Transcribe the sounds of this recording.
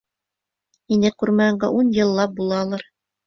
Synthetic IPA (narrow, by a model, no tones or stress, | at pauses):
inɘkʉɾmæɤ̆ɴɢɑʔunjɤ̆lˠːɑp̚bulˠɑːlˠɑɾ